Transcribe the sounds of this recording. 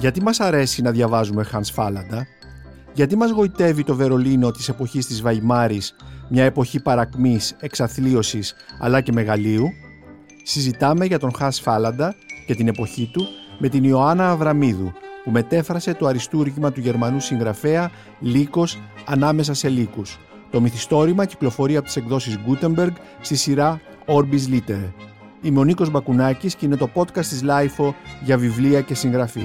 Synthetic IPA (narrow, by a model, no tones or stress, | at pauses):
ʝɐt̪imɐsɐɾe̞sinɐðʝɐvɐzume̞xɐnsfɐlɐnd̪ɐ | ʝɐt̪imɐzɣo̞it̪e̞vit̪o̞ve̞ɾo̞lino̞t̪i̥se̞po̞çist̪izvɐimɐɾismɲɐe̞po̞çipɐɾɐkmise̞ksɐθlio̞sisɐ̰lɐce̞me̞ɣɐliu | sizit̪ɐme̞ʝɐt̪o̞ŋxɐnsfɐlɐnd̪ɐce̞t̪ine̞po̞çit̪ume̞t̪inio̞ɐnɐːvɾɐmiðupume̞t̪e̞fɾɐse̞t̪o̞ɐɾist̪uɾʝimɐt̪uʝe̞ɾmɐnusiŋɣɾɐfe̞ɐ | liko̞sɐnɐme̞s̬ɐse̞likus | t̪o̞miθist̪o̞ɾimɐci̥klo̞fo̞ɾiɐpot̪i̥se̞kðo̞sizɡut̪e̞mbe̞ɾɡ | st̪isiɾɐ | o̞ɾbizlit̪e̞ɾ | ime̞o̞niko̞zbɐkunɐcisceinet̪o̞po̞t̪kɐst̪izlɐjfo̞ʝɐvivliɐce̞siŋɣɾɐfḭ